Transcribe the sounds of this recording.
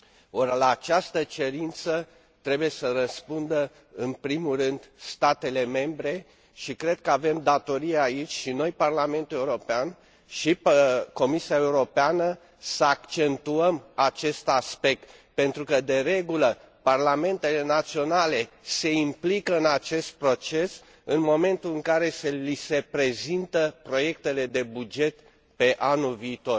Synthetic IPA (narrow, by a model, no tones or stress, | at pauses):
orlaːt͡ʃast̪ət͡ʃe̞ɾint̪sə | t̪ɾe̞buje̞sərəspund̪ə | ɨnpɾimurɨnd̪st̪at̪e̞le̞me̞mbɾe̞ | ʃikɾe̞d̪̚kəave̞md̪at̪o̞ɾieait͡ʃʲʃino̞jparlame̞nt̪ule̞uɾo̞pean | ʃiko̞misiaeuɾo̞peanə | səakt͡ʃe̞nt̪uəmat͡ʃe̞st̪aspe̞k̚t̪ | pe̞nt̪ɾukəd̪e̞ɾe̞ɡulə | parlame̞nt̪e̞le̞nat̪sio̞nale̞se̞implikəɨnat͡ʃe̞st̪̚pɾo̞t͡ʃe̞s | ɨnmo̞me̞nt̪ulɨŋkaɾe̞selise̞pɾe̞zint̪əpɾo̞je̞kt̪e̞le̞d̪e̞bud͡ʒe̞t̪ | pe̞ʔanulviːt̪o̞r